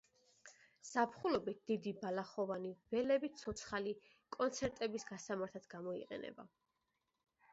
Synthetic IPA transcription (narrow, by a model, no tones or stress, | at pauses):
z̥apʰχulɔbit̪̚d̪̥id̪ibalaχɔvaniv̥ɛlɛbit̪sʰɔt̪sʰχali | kʼɔnt̪sʰɛɾt̪ʼɛbisɡasamaɾt̪ʰad̪ɡamɔḭqʼɛ̰nɛ̰ba̰